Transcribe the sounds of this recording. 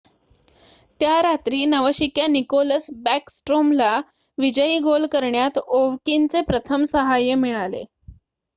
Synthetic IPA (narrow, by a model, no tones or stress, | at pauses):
t̪jaɾat̪ɾiːnəʋəɕikjanikoləsbæksʈɾomla | ʋid͡ʑəjiːɡolkəɾɳjat̪oʋkint͡sepɾət̪ʰəmsəɦajəmiɭalḛ